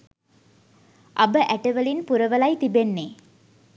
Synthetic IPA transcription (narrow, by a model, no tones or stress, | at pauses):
ʔɐbəʔæʈɐʋɐlinpuɾɐʋɐlɐjt̪ibenːeː